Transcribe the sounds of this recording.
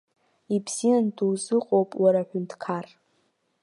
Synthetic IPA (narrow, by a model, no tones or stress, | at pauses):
ibz̥ijanduwzɨqʼowpʼwaɾaħᶣʊntʰkʰar